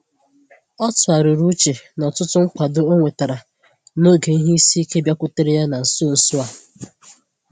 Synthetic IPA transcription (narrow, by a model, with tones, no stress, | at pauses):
ɔ˦tʊ˨a˨ɾɪ˨ɾu˦t͡ʃe˨nɔ˨tʊ˦tʊ˦ŋ͡m̩˦k͡pʷa˨dʊ˨o˦ŋʷe˨ta˨ɾa˨ | no˦ɡe˨i˦ɦi˦i˦si˦i˦ke˦bja˦kʷʊ˦te˦ɾe˦ja˦na˨n̩˨so˦n̩˨sʊ˦a˨